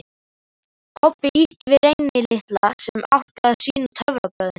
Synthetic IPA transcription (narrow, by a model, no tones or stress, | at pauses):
kʰɔpːɪihcvɪðɾejnɪlɪht̪lasɛma̰wt̪aasiːnʏt̪ʰœvɾapœːɣðɪn